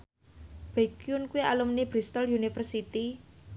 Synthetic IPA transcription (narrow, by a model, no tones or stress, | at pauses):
b̥ekjunkuialumnib̥ɾist̪ɔljunifərsit̪i